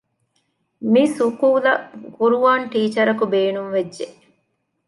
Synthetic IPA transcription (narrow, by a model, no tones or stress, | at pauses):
misukuːlɐkuɾuʋaːɳʈiːt͡ʃɐɾɐkubeːnuŋʋed͡ʒːʒeʔ